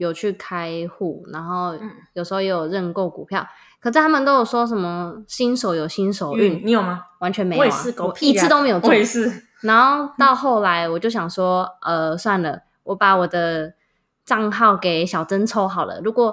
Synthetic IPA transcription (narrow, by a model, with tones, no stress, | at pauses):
jo˨˩ʊt͡ɕʰy˥˩kʰa˥ɪxu˥˩na˧˥nxo˥˩ʊjo˨ʊʂ̩˧˥xo˧je˥jo˨˩ɻə˥˧nko˥˩ʊkṵ˨˩pʰjɑ˥˨˩ʊ | kʰɤ˨˩ʂɻ̩˥˩t̪ʰa˥mə˨nt̪o˥ʊjo˨˩ʊʂwɔ˥ʂ̬ə˧˦nmə˧˨ɕi˦˥nʂo˨˧˦ʊjo˨˩ʊɕi˥nʂo˨˩ʊy˥˨˩ni˧˦jo˨˩ma˦wa˧˥nt͡ɕʰɥɛ˧˥nme˧˥˦e˥˩wa̰˨˦˥ko˧˥i˨˥ɨ˥˧o˥ʊme˧˥jo˨˩t͡swe˥˧s̩˥˩ | na˧˥nxo˥˧ʊt̪ɑ˥˧ʊxo˥˩ʊla˧˦˥ɪwɔ˨˩t͡ɕjo˥˩ʊɕjɑ˨˩ŋʂwɔ˥ʔə˨swa˥˩nlə˩ | wɔ˧˦pa˨˦wɔ˨˩d̪ə˦ | ʈ͡ʂɑ˥˧ŋxɑ˥˩ʊke˨˩ɪɕjɑ˨˩ʊt͡sə˦nt͡sʰo˥ʊxɑ˨˩ʊdə̰˦ɻu˧˥kwɔ˨˩